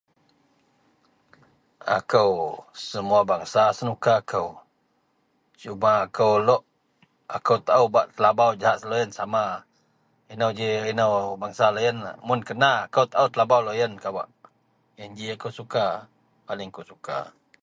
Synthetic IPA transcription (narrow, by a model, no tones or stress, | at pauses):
a̰kəwsəmuabaŋsasənukaːkʰəw | t͡ʃumaːkəwlɔʔ | akəwt̪aʔəwbaʔt̪əlabawd͡ʒaɦaʔsəlojənsama | inəwd͡ʒiinəwbaŋsalojənmʊnkənaːkəwt̪aəwt̪əlabawlojənkaba̰ʔ | jənd͡ʒiakəwsuka | palɪŋkəwsuka̰